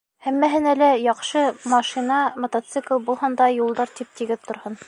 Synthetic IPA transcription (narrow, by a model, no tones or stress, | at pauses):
hæmːæɦɘnælæjɒqʃɤmɑʃinɑmŏt̪at̪sɨklˠbulˠhɑnd̪ɑjulˠd̪ɑɾt̪ip̚t̪iɡɘðt̪ŏɾhɤn